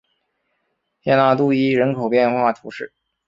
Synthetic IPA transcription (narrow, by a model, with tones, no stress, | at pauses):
jjɛ˥˧na˥˧t̪u˥˧i˥˩ɻə˧˥nkʰo˨˩ʊpjɛ˥˧nxwa˥˩t̪ʰu˧˥ʂɻ̩˥˩